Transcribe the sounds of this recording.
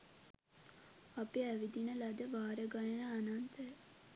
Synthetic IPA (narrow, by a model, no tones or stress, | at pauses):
apiæʋid̪inəlad̪əʋaːɾəɡanenəanant̪ə